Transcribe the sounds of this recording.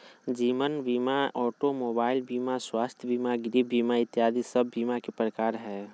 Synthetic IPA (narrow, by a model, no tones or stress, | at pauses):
d͡ʒiːʋənbiːmaɔːʈomoːbaːɪlbiːmaswaːst̪ʰjəbiːmaɡɪɾibbiːmaɪt̪jaːd̪isəbʱːiːmakepɾəkaːɾɦɛː